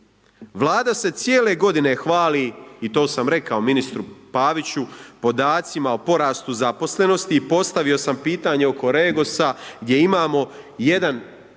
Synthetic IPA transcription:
ʋlˠaːd̪ase̞t̪sjeːle̞ɡo̞d̪ine̞xʋaːliit̪o̞ːsamɾe̞kaominist̪ɾupaːʋit͡ɕupo̞d̪aːt̪simaopo̞ɾaːst̪uzapo̞sle̞no̞st̪iːpo̞st̪aʋio̞sampiːt̪aːɲeo̞ko̞ɾe̞ːɡosaɡd̪je̞imaːmo̞je̞d̪an

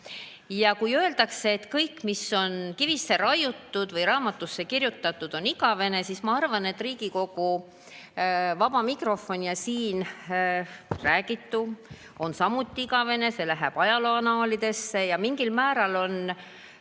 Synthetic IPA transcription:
jɑkujø̞e̞ld̪̥ɑkseːt̪ːkɤjkːmisːo̞nkivisːe̞ɾɑjut̪ːud̪̥vɤjrɑːmɑt̪ːˑusːe̞kirjut̪ːˑɑt̪ːˑud̪̥o̞niɡɑve̞ne̞sismɑɑrvɑne̞t̪ːˑriːɡ̥iko̞ɡ̥u | vɑb̥ɑmikro̞fo̞nʲijɑsiːn | ræːɡ̥it̪ːu | o̞nsɑmut̪ːˑiiɡɑve̞ne̞se̞læɦæb̥ɑjɑloɑnɑːlid̪̥e̞sːe̞jɑmiŋɡ̥ilmæːɾɑlo̞n

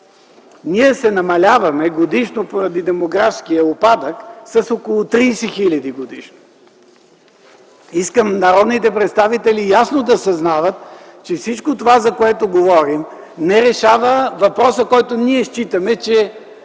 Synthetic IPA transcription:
niɛsɛnɐmɐlʲavɐmɛɡod̪iʃnopoɾɐd̪id̪ɛmoɡɾafskijəopad̪əksɐsokolˠʊt̪ɾiːsɛxilʲɐd̪iɡod̪iʃno | iskəmnɐɾɔd̪nit̪ɛpɾɛt̪st̪avit̪ɛlijasnod̪ɐsɐznavət̪t͡ʃɛfsit͡ʃkot̪ovazɐkoɛt̪oɡovɔɾim | nɛɾɛʃavəvɐpɾɔsəkɔjt̪oniɛʃt͡ʃit̪ɐmɛt͡ʃɛ

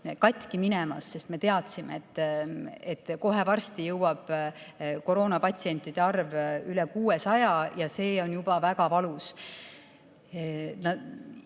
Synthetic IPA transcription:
kɑt̪ʲːˑkiminɛmɑ̰sːe̞st̪me̞t̪e̞ɑt̪simḛet̪ːˑet̪ːko̞ɦe̞vɑrst̪ijɤwɑb̥ | ko̞ɾo̞ːnɑpɑt̪ʲsie̞nt̪ːˑid̪̥eɑrvylekuːesɑjɑjɑse̞ːo̞njub̥ɑvæɡɑpɑlus | nɑ

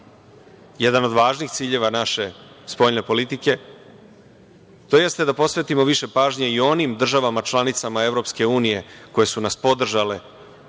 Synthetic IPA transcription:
jed̪ano̞d̪ʋaːʒnixt̪siːʎe̞ʋanaʃe̞ | spo̞ʎne̞po̞lit̪ike̞ | t̪o̞je̞st̪e̞d̪apo̞sʋe̞t̪imo̞ʋiʃe̞paːʒɲeio̞nimd̪r̩ʒaʋamat͡ʃlˠanit̪samae̞ʋɾo̞pske̞uːnije̞ko̞je̞sunaspo̞d̪r̩ʒale̞

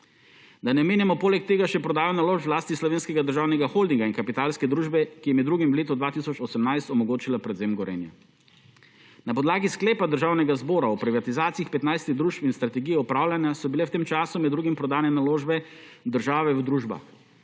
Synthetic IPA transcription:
d̪anɛmeːnjɛmɔpoːlɛk̚t̪eːɡaʃɛpɾɔd̪aːjɔnaloːʃpzwlaːst̪islɔʋeːnskɛɡad̪əɾʒaːwnɛɡaxoːld̪iŋɡainkapit̪aːlskɛd̪ɾuːʒbɛkijɛmɛd̪ːɾuːɡimwleːt̪ɔd̪ʋaːt̪isɔt͡ʃɔsɛmnajst̪ɔmɔɡoːt͡ʃilapɾɛd̪zeːmɡɔɾɛ̰ːnja̰ | napɔd̪laːɡisklɛːpad̪əɾʒaːwnɛɡazbɔːɾaɔpɾiʋat̪izaːt̪siixpɛt̪najst̪iɣd̪ɾuːʃpinst̪ɾat̪ɛɡijɛupɾaːwlʲanjasɔbilɛwt̪eːmt͡ʃaːsumɛd̪d̪ɾuːɡimpɾɔd̪aːnɛnaloːʒbɛ | d̪əɾʒaːʋɛwd̪ɾuːʒba̰x

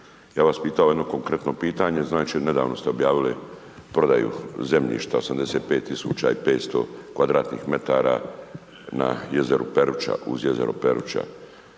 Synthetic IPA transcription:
jaːʋaspiːt̪aojed̪no̞ko̞ŋkɾe̞t̪no̞piːt̪aːɲe̞znaːt͡ʃined̪aːʋno̞st̪eobjaːʋili | pɾo̞d̪ajṵze̞mʎḭːʃt̪ao̞samd̪e̞seːt̪̚peːt̪ːisuːt͡ɕaipeːt̪st̪o̞̰kʋad̪ɾaːt̪nḭːxme̞t̪aːɾa | na̰jezeɾupeɾut͡ʃa̰ʔuzjeze̞̰ɾopeɾṵt͡ʃa̰

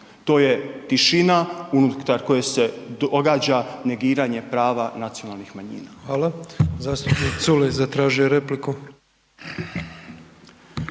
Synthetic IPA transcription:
t̪o̞ːje̞t̪iʃinaunut̪aɾko̞jese̞d̪oɡaːd͡ʑane̞ɡiːɾaɲe̞pɾaːʋanat̪sijo̞nalˠnixmaɲḭːnaxʋaːlazaːst̪upniːkt̪sulezat̪ɾaːʒijoɾepliku

